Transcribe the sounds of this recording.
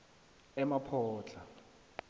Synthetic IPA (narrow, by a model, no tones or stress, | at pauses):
ɛmapʰɔːt͡ɬʰʼa